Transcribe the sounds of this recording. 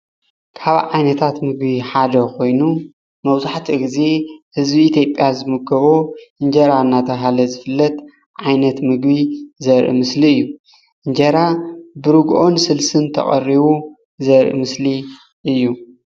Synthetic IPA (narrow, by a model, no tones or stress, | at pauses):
kʰaβʕajnɐt̪ʰat̪mɨɡbiħad̪ɐkʰo̞jnu | mɐβzaħt̪ʰiɡize̞hɨzbiːt̪ʰjo̞pʼːjazɨmɨɡɐβoʔɨɲd͡ʒɐɾaɨnːat̪ʰɐɦalɐzɨfɨlːɐt̪ | ʕajnɐt̪mɨɡbizɐɾʔḭmɨsliɨjːu | ʔɨɲd͡ʒɐɾabɨɾɨɡʔo̞nsɨlsɨnt̪ʰɐ̰χʼɐ̰riβu | zɐɾʔḭmɨsli | ʔɨjːu